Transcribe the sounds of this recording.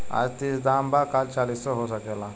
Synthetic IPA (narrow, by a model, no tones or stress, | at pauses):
a̰d͡zt̪isd̪ambakalt͡ʃalissɔɦosəkela